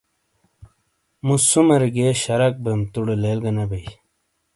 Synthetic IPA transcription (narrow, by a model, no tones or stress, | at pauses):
musumɐɾiɡeɕɐɾɐk̚bemt̪uɽelelɡɐnɐbej